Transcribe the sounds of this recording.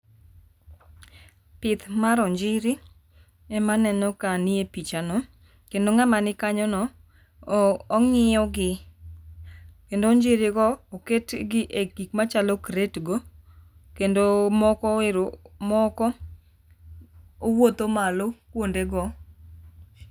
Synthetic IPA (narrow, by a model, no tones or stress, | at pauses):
pɪt̪maɾɔɲd͡ʒɪɾɪ | ɛmanɛnɔkanɪepit͡ʃanɔ | kendoŋamanɪkaɲɔnɔ | ŋɪjɔɡɪ | kendoɲd͡ʒɪɾɪɡɔoketɡɪʔekikmat͡ʃalɔkɾetɡo | kendomɔkɔɪɾomɔkɔ | owot̪omalokwondeɡɔ